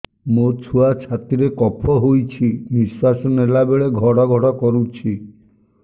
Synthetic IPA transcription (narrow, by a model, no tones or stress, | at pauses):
mot͡ʃʰuat͡ʃʰat̪iɾekɔpʰɔɦojt͡ʃʰibiswasɔnelabeɭeɡʱɔɽɔɡʱɔɽɔkɔɾut͡ʃʰi